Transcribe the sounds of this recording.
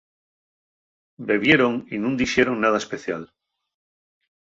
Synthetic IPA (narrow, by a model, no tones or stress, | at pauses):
be̞βje̞ɾoŋinũnd̪iʃeɾoŋnað̞aespeθja̰l